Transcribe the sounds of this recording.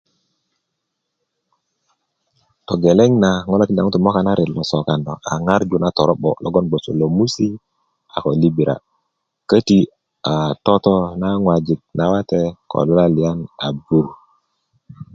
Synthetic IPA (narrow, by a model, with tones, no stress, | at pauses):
to˨ɡe˨le˦ŋna˨ŋo˦lo˦ki˦nda˨ŋu˦tu˨mo˦ka˦na˦ɾi˨lmo˨so˨ka˨ndo˨a̰˨ŋa˦ɾd͡ʒu˦na˦to˨ɾo˦ɓo̰˨lo̰˦ɡo˦nɡ͡bo˨sṵ˨lo˨mu˦si˦ | a˨ko˨li˦bi˨ɾa̰˨ | kə˦ti˦ | a˨to˦to˦na˦ŋwa˨d͡ʒi˨k̚na˨wa˦te˦kʰo̰˨lu˦la˦li˨ja˦na˨bu˦ɾ